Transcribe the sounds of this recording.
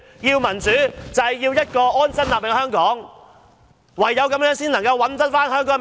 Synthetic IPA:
jiː˧wmɐ˨˩nt͡syː˨˥t͡sɐ˨jjiː˧wjɐ˥t̚kɔː˧ʔɔː˥nsɐ˥naː˨p̚lɪ˨˩ŋhɦœː˥ŋkɔː˨˥ŋ | wɐ˨jːɐ˨˧wkɐ˨˥mjœː˨˥ŋsiː˥nlɐ˨˩ŋkɐ˧wɐ˨˥nt̪ɐ˥t̚faː˥nhœː˥ŋk̬ɔː˨˥ŋ

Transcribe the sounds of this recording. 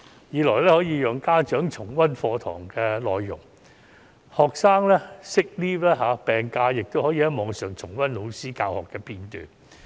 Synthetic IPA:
jiː˨˧lɔː˨˩jlɛː˥hɔː˨˥jiː˧jœː˨ŋkaː˥t͡ʃœː˨˥ŋt͡ʃʰʊ˨˩ŋwɐ˥nfɔː˧t̪ʰɔ̰ː˨˩ŋkɛː˧lɔː˨jːʊ̰˨˩ŋ | hɔː˨˩k̚saː˥ŋlɛː˥sɪ˥k̚liː˥plɛː˥ɦaː˨˧pɛː˨˩ŋkaː˧jɪ˨k̚t̪o˥whɔː˨˥jiː˧jɐ˥mɔː˨˧ŋsœː˨˩ŋt͡sʰʊ˨˩ŋwɐ˥nlo˨˧wsiː˥kaː˧whɔ̰ː˨˩kːɛː˧piː˧nt̪y̰ː˨˩n

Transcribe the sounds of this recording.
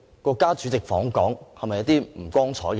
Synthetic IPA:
kɔː˧kːaː˥t͡ʃyː˨˥t͡sɪ˨k̚fɔː˨˥ŋkɔː˨˥ŋhɐ˨mɐ˨jɐ˥t̪iː˥m̩˨˩kʷɔː˥ŋt͡sʰɔː˨˥jkː

